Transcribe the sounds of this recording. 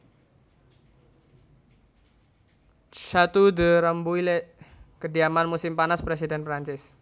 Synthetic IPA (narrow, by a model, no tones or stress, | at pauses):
t͡ʃat̪udəɾəmbuilekədiamanmusɪmpanaspɾes̬idɛnpɾaɲt͡ʃɪs